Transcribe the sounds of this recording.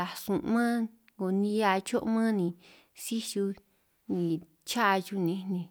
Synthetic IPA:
a˨sũ˨ʔmã˦ | ŋɡo˨nĩ˧˦a˧t͡ʃo˦ʔmã˦nĩ˧˨ | si˦ʃu˧ | nĩ˨ | t͡ʃa˦ʔt͡ʃu˧nĩ˧nĩ˧˨

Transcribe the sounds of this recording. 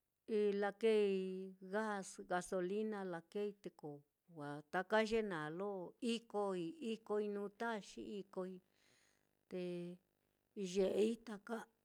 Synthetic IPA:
i˧la˧ke˦i˧ɣa˦sɣa˧so˧li˦nã˧la˧ke˦i˧t̪e˧ko˨ | wʷa˨t̪a˧ka˦ʒe˦nã˨lo˦i˦ko˧i˧i˦ko˧i˧nũː˧˦t̪a˦˧ʃḭ˦i˧ko˧i˧ | t̪e˧ | ʒe˧ʔi˦t̪a˧ka˦

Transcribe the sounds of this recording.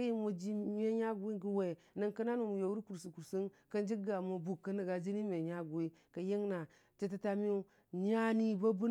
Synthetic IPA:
ji˦mo˨d͡ʒi˦mʲe˦ɲa˦ɡu˨wi˦ɡi˦we˨ | na˦ŋka˦na˦nu˨mu˨jo˨wu˦ɾku˨ɾsi˨ku˨ɾsi˦nka˦nd͡ʒi˦ɡa˨mo˨bu˨kːa˦na˨ɡa˨d͡ʒi˦ni˦mʲe˨ɲa˦ɡu˨wi˦ | ka˨je˦ŋna˨ | t͡ʃe˦t̬a˦ta˦mi˦u˦ | ɲa˦ni˦ba˦bu˦

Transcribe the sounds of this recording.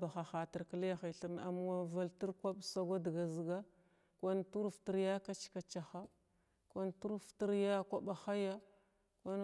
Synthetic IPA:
ba˨xa˨xa˨ti˨ɾkə˦lja˦xi˨ɬi˨ɾna̰˨m˦wa˦va˦lti˦ɾkʷa˦bsa˦ɡʷa˦dɡa˨zi˨ɡa˦ | kʷa˦ntu˦ɾfti˦ɾja˦ka˦t͡ʃi̥˦ka˨t͡ʃa˨xa˦ | kʷa˦ntu˦ɾfti˦ɾja˦kʷa˦ɓa˨xa˦ja˦ | kʷa˦n

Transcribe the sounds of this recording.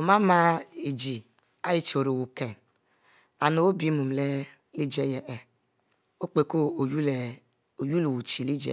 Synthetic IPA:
o˨ma˦ma˦i˨d͡ʒi˨ | a˦ji˦t͡ʃo˨ɾo˨wu˨ke˨ | a˨no˨o˦bi˨˦mu˨m˨le˦ | li˦d͡ʒe˦jɛ˨ʔɛ˨ | o˦k͡pe˨ko˦˨j | o˨ju˦lu˨wu˨t͡ʃi˨li˦d͡ʒḛ˨

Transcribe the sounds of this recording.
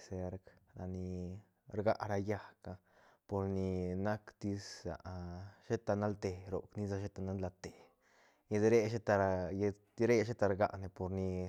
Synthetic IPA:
se˧˦ɾkɾa˨ni˧ | ɾɡa˦ʔɾa˧ja˦ka˧ | po˨ɾni˧na˦kt̪i˧sa̰˨ʔʃe˦t̪a˧na˦lt̪e˧ɾo̰˨kni˦za˧ʃe˦t̪a˧na˦nla˧t̪e˨ | je˧d̪ɾe˦ʃe˦t̪a˧j | ɾe˦ʃ̬e˦t̪a˧ɾɡa̰˧ʔne˨po˨ɾni˧

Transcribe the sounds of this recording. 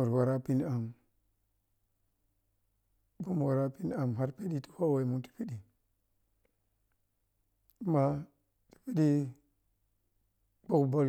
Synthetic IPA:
u˨ɾwa˨ɾa˦pi˦n˦a˨m | bu˦m˨wa˨ɾa˦pi˦n˦a˨m˨ɦa˦ɾpe˦di˦ti̥˦ho˦we˨mu˨˦ti̥˨pi˦di˨˦ | ma˦ | ti̥˨pi˦ɗi˦ | k͡po˦kbo˦l

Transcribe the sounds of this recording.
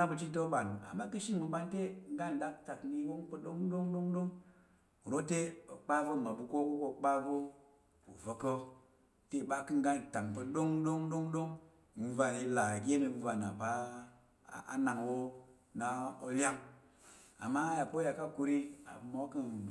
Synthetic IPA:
a˦bu˧t͡ʃi˦t̬o˦ɓa˨lu˨a̰˨ma˦kɨ˦ʃi˦n˨mu˨ɓa˦n˦te˦ŋ̩˦ɡa˦n˨ɗa˨k̚ta˨kni˦wo˦pə˦ɗo˦ŋɗo˦ŋɗo˦ŋɗo˦ŋ˨ | ɾo˦te˦o˨k͡pa˦vo˦˨ma˨bu˨ko˦ko˦ko˦˨k͡pa˦vo˦ | ṵ˨və˨kə˦ | te˦˨ɓa˦kɨ˦ŋ˦ɡa˦n˨ta˨ŋpə˦ɗo˦ŋɗo˦ŋɗo˦ŋɗo˦ŋ | m̩˦va˨ji˦la˨ɡʲe˦nə˨˦va˨na˨pa˨˦ | a̰˨˦na˨ŋwo˦ | na˨o˦lʲa˦ŋ | a̰˨mːa˦ja˨ko˦ja˨ka˦ku˧ɾi˦a̰˨bmo˨˦kɨ˦n

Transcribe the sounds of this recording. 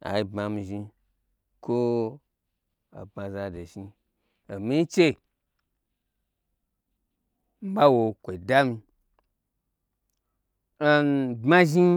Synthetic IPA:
a̰˨i˧bma˧mi˧ʒi˧ | ko˦ | a̰˨bã˧za˧de˨ʃi˧ | o˨mi˦t͡ʃe˦˨ | m̩˦ba˦wo˧kʷo˨da˦mi˧ | a˦˨˧bma˦ʒi˦

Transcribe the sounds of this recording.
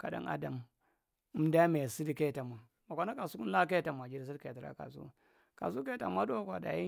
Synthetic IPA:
ka˨da̰˦na̰˦da˨m˦ | mda˦me˨si˦di˦ke˦˨ta˨ma˨ | ma˨kʷa˨˦na˦ka˨su˦ku˦n˦la˦ke˦ta˨ma˨d͡ʒi˦ɾi˨s̬i˦dke˨ta˨ɾa̰˦ka̰˨s̬ṵ˦ | ka̰˨su˦ke˦a̰˨ma˦do˦kʷa˨da̰˨ji˦

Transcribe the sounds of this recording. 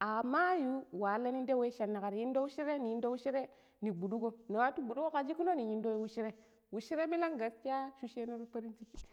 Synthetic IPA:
a˨ma˦ju˦wa˨˦la˦ni˦nde˦we˦ʃa˨nːa˨ka˨ɾi˨ji˦ndo˦wu˦ʃi˦ɾe˦ni˨˦ndo˦wu˦ʃi˦ɾe˦ | ni˨bu˨ɗu˦ɡo˦na˨wa˦tu˦bu˨du˦ko˦ka˨d͡ʒi˦ku˦no˦ni˨ɲi˨ndo˦jo˦wu˦ʃi˦ɾe˦ | wu˨ʃi˦ɾe˦mi˦la˦ŋɡa˨ɾti˦a˦ʃu˦ʃe˦no˦ɾpa˦ɾi˦nt͡ʃi˦kːi˨

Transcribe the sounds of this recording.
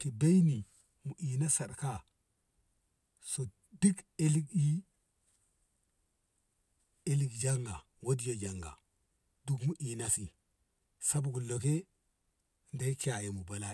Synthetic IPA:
ki˨be˦jni˨ | mu˨ʔi˨na˦sa˨ɾka˦˨ | so˨ | di˦ɡe˦li˦ki˦ | e˦li˨ɡd͡ʒa˦ŋɡa˨ | wo˦di˦jo˨d͡ʒa˨ŋɡa̰˨ | du˦kmu˦ʔi˨na˦si˨ | sa˦bɡu˨lːo˨ke˦ | nda˦i˦ka˨je˨mu˨ba˨la˦

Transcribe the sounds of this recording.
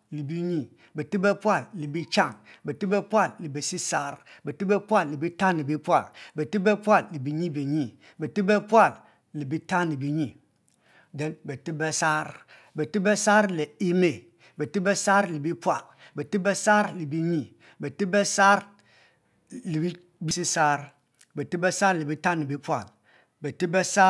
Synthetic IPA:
li˨bi˦ɲi˦˨ | be˨ti˦bɛ˦pʷa˦˨lːi˨bi˦t͡ʃa˦˨ŋbe˨ti˦bɛ˦pu˦a˦˨lli˨be˨si˦sa˦ɾbe˨ti˦bɛ˦pʷa˦˨lːi˨bi˦ta˦nːi˨bi˦pwa˦˨lbɛ˨ti˦bɛ˦pʷa˦˨lli˨bi˨ɲi˦bi˨ɲi˦˨ | be˨ti˦be˦pwa˦˨l | li˨bi˦ta˦ni˨bi˦ɲi˦˨ | dɛ˨˦nbɛ˨ti˦be˦sa˦ɾ | be˨ti˦bɛ˦sa˦ɾle˨i˦me˨ | bɛ˨ti˦bɛ˦sa˦ɾli˨bi˦pwa˦˨l | bɛ˨ti˦bɛ˦sa˦ɾli˨bi˦ɲi˦ | bɛ˨ti˦bɛ˦sa˦ɾ | li˨bi˦ | bi˦si˦sa˦ɾ | bɛ˨ti˦bɛ˦sa˦ɾli˨bi˦ta˦ni˨bi˦pwa̰˨l | bɛ˨ti˦bɛ˦sa˦

